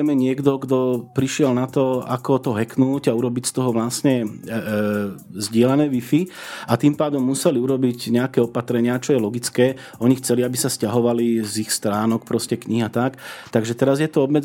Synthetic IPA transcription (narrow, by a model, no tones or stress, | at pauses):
mɛɲɪɛɡd̪ɔɡd̪ɔpɾiʃɪɛlnat̪ɔa̰kɔt̪ɔɦɛknuːɟauɾɔbicst̪ɔɦɔʋlasɲɛ | zɟɪɛlanɛːʋifiat̪impaːd̪ɔmːusɛliuɾɔbiɟɲɛakɛːɔpat̪ɾɛɲɪat͡ʃɔjɛlɔɡit͡skɛː | ɔɲixt͡sɛliabisascaɦɔʋalizixst̪ɾaːnɔkpɾɔscɛkɲiɦat̪akt̪aɡʒɛt̪ɛɾazjɛt̪ɔɔbmɛd͡z